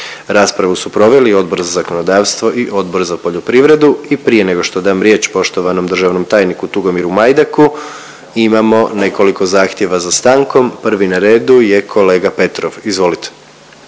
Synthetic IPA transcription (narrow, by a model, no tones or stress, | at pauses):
ɾaːspɾaʋusupɾo̞ʋe̞lio̞d̪̚bo̞ɾzazako̞no̞d̪aːʋst̪ʋo̞ʔiʔo̞d̪bo̞ɾzapo̞ʎopɾiʋɾe̞d̪uipɾije̞ne̞ɡo̞ʃt̪o̞d̪aːmɾje̞t͡ɕpo̞ʃt̪o̞ʋano̞md̪r̩ʒaʋno̞mt̪aːjnikut̪uɡo̞miɾumajd̪aku | imamo̞ne̞ko̞likozaːxt̪je̞ʋazast̪aːŋko̞mpr̩ʋinaɾe̞ːd̪uje̞kʰo̞le̞ːɡape̞t̪ɾoʋizʋo̞lit̪e̥